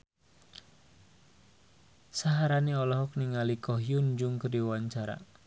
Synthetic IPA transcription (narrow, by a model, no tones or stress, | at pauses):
saɦaɾaniɔlɔɦɔk̚niŋalikɔɦjund͡ʒʊŋkəriwaɲt͡ʃaɾa̰